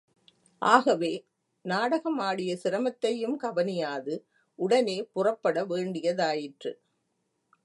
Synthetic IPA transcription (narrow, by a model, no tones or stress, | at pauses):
ʔaːɣɐʋeː | naːɽɐɣɐmaːɽɪjɐsɪɾɐmɐt̪ːɐjɯmkɐʋɐnɪjaːðɯ | ʔʊɽɐneːpʊrɐpːɐɽɐʋeːɳɖɪjɐðaːjɪʈrɯ̰